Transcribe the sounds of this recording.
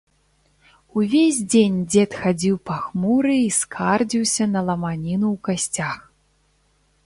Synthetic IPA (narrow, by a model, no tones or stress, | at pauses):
uvʲezʲd͡zʲenʲd͡zʲɛt̪xad͡zʲiwpaxmuɾɨiskʰard͡zʲiwsʲɐnɐlˠɐmanʲinuwkasʲt͡sʲax